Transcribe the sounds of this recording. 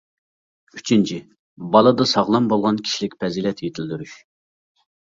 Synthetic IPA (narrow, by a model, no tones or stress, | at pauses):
yt͡ʃʰint͡ʃʰi | bɑlˠɨd̪ɑsɑʁlˠɑmbolˠʁɑnkʲʰi̥ʃilɪkʲpʰɛzilɛt̪ʰjet̪ʰɪld̪yɾyʃ